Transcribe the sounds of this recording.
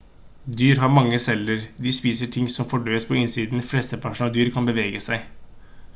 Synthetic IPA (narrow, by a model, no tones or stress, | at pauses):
d̪yːɾɦɑɾmɑŋːəsɛlːəɾd̪ɪspiːsəʈʰɪŋsɔmfɔɖøːəspʰɔɪnsiːd̪nflɛst̪əpʰæʂʊnɑd̪yːɾkʰɑnbəʋeːɡəsæɪ